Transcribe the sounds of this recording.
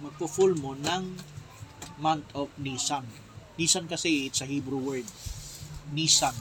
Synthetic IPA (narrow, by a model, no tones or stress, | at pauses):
mɐɡ̚pʊfulmonɐŋ | mant̪ofnisan | niːsɐnkɐsiɪt̪sɐhibɾuwɛɹd̪̚ | niːsan